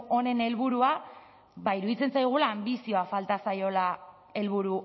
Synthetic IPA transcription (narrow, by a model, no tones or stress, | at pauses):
o̞ne̞ne̞lβuɾua | baiɾuðit͡se̞nsajɣ̞ulaːmbisio̞afalt̪asajo̞la | e̞lβ̞uɾu